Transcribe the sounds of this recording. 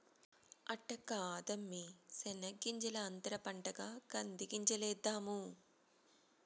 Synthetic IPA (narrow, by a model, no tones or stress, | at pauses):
ɐʈːɐkaːd̪ɐmːisɛnɐɡːiɲt͡ʃɐlɐːnt̪ɐɾɐpɐɳʈɐɡaːkɐnd̪iɡiɲt͡ʃɐlɛːd̪ːaːmu